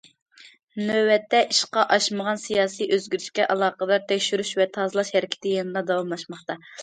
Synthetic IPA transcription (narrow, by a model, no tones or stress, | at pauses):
nøwɛt̪ʰːɛʔiʃqɑʔɑʃməʁɑnsijɑːsiʔøzɡʲyɾt͡ʃkʲɛʔɑlˠɑːqəd̪ɑɾt̪ʰɛkʲʃyɾyʃvɛt̪ʰɑzɨlˠɑʃhɛɾɪkʲʰɪ̥t̪ʰɪjɑnɨd̪ˠɑd̪ɑwɑmlˠɑʃmɑχt̪ɑ